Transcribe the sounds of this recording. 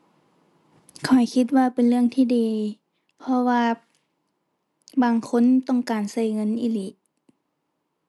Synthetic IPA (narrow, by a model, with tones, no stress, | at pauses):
kʰɔ˨˩jkʰi˧t̪̚waː˧pe˨nlɯ˧˩əŋt̪ʰiː˧˨diː˨˩ | pʰɔ˧waː˧ | baː˨˩ŋkʰo˧˥˨nt̪ɔ˧˥˩ŋkaː˨˩nsa˧˩jŋɤ˧˥˨nʔi˧˨li˧˦